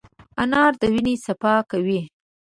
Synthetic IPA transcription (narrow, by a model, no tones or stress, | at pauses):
anɑɾd̪əwinesapɑkawi